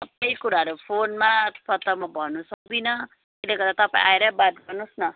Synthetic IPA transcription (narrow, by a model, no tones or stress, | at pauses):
t̪ʌp̚aj̃kuɾaɦʌɾupʰonmapʌt̪ʌmabʱʌnusʌk̚d̪inʌ | teleɡʌɾd̪at̪ʌpãḭ̃ʔajɾʌbat̪̚ɡʌrnusnʌ